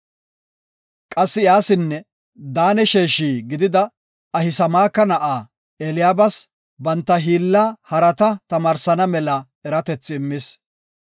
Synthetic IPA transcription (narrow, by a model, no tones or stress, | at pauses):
kʼɐsːɪjaːsɪnːɛ | d̪aːnɛʃeːʃiːɡɪd̪ɪd̪ɐ | ɐhɪsɐmaːkːɐnɐʔaː | ɛlɪjaːbɐs | bɐnt̪ːɐɦiːlːaːhɐɾɐt̪ɐt̪ɐmaːɾsɐnɐmɛlɐ | ɛɾɐt̪ɛt͡sːɪɪmːɪs